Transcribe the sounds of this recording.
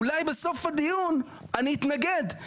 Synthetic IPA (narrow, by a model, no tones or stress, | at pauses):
lajbɛsofad̪ijun | anit̪naɡɛd̪